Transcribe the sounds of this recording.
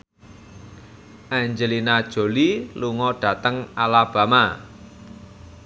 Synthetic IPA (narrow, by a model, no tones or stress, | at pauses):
ʔaɲd͡ʒəlinad̥ʒ̥o̤liluŋɔɖ̥ä̤t̪əŋalab̥ä̤ma